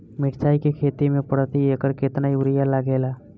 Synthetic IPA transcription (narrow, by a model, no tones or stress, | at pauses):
mɪʈʰt͡ʃaːikekʰeːt̪imẽpəɽt̪ieːkəɾkeːt̪naiʊɾɪjalaːɡeːlaː